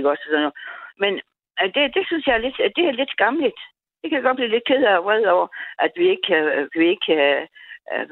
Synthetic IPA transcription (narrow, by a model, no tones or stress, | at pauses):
ɡ̥ɒsɒsɔnːɔmen | d̥e̝d̥e̝synsjɑ̈æɐle̝d̥d̥e̝æɐle̝d̥ɡ̥ɑ̈mlid̥ | d̥e̝kæd̥aɡɒ̽d̚b̥liːle̝d̥̚kʰe̝ð̰ˠʋɛð̰ˠɒʊɐʔæd̥ʋie̝ɡ̥ə̥kʰækʰæʋie̝ɡ̥ə̥kʰææ